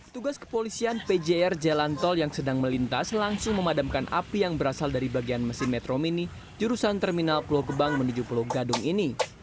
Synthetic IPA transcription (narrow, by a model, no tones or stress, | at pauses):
t̪uɡaskə̥polisianped͡ʒeɛrd͡ʒelant̪ɔljaŋsədaŋməlint̪aslaŋsʊŋməmadamkanʔa̰pijaŋbəɾasaldaɾibaɡianməsɪnmɛt̪ɾomini | d͡ʒuɾusant̪ɛrminalploɡəbaŋmənud͡ʒuploɡadʊŋini